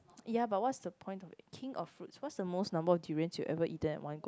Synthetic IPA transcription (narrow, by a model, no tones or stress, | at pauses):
jabat̚wɔtsd̥əpʰɔ̃j̃ntɔfkʰĩŋɔffɹutswɔtsdəmosnãmbəɔfduɹə̃nsjuʔɛ̰vəʔitə̃nɛ̰t̚wʔãnɡo